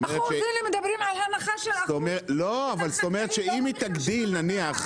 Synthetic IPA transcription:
eeeinemed̪ɐbɾimʕalhalaχaʃest̪omeloavalst̪o̞meʁet̪ʃeimit̪aɡd̪ilnaniaχ

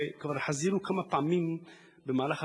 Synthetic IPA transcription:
kvaɾħaziɾukamapaʕamim | bemaːlaχa

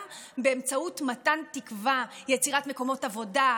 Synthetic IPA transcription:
beemt͡sautmatantikvajet͡siʁatme̞ko̞mo̞tavo̞da

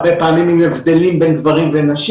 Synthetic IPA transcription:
bepaːmimimevd̪elimbendvaʁimvenaʃ

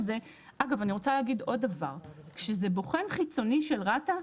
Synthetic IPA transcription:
ze | ʔaɡavaniʁo̞t͡saleːɡid̪o̞dːavaʁkʃezebo̞χe̞nχit͡so̞niʃe̞lʁata

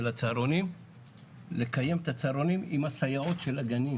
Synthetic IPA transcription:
elat͡saɾonim | le̞kaje̞mt̪at͡saːɾo̞nimimasajao̞t̪ʃe̞laɡani

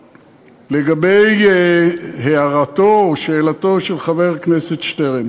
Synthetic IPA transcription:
le̞ɡabe̞j | heaʁatoʃeːlato̞ʃelχave̞ʁkneset̪ʃteʁen

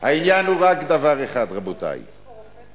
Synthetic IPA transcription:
hainjanhuʁakd̪avaʁeχad̪ʁabot̪a̰j

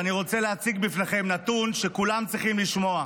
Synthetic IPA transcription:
aniʁo̞t͡se̞leat͡siɡbifneχe̞mnat̪unʃe̞kulamt͡sʁiχimliʃmo̞a

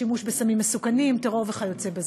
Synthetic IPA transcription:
imuʃbesamimːesukanimteʁoʁveχajo̞t͡sebez

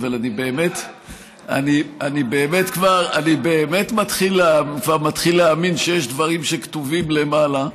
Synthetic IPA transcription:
valanibe̞ːmet | a̰nianibe̞ːme̞tkvaʁanibe̞ːme̞tmatχileakvaʁmatχilːeaminʃejeʃdvaʁimʃektuvimle̞mala

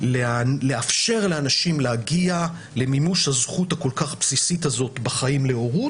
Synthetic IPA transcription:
lele̞afʃe̞ʁleanaʃimlehaɡia | le̞mimuʃhazχutako̞lkaχpsisitazo̞tbaχaimle̞o̞ʁut

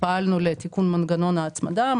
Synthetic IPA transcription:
palʲnolɛt̪ikunmɐnɡanonaːt͡smɐ̰d̪aːm

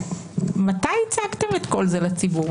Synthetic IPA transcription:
mat̪ajit͡saɡt̪emet̪ko̞lzelet͡sibu

